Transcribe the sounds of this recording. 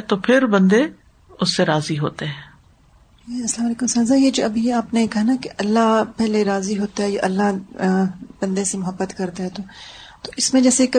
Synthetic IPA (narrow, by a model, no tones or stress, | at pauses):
t̪opʰɪɾbɐ̃nd̪e | ʊsːeɾaːziɦo̰ːt̪eɦɛ̃ː | eɐslaːmɐleːkʊmsaːzajed͡ʒoːɐbʱiaːpnekɐɦanakeʔɐlːaɦpɛɦleɾaːziɦoːt̪aɦɛjaʔɐlːaɦ | b̥ɐ̃nd̪esemʊɦəbːət̪kɐɾt̪eɦɛ̃t̪oːt̪oɪsmẽd͡ʒɛːsekɐ